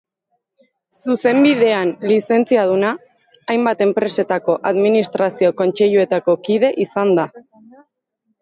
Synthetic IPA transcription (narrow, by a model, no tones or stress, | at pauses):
suse̞mbiðe̞anlise̞nt͡siað̞unaː | jmbat̪e̞mpɾe̞se̞t̪ako̞ʔaðminist̪ɾasio̞ko̞nt͡ʃe̞ʎue̞t̪ako̞kið̞e̞ʔisand̪a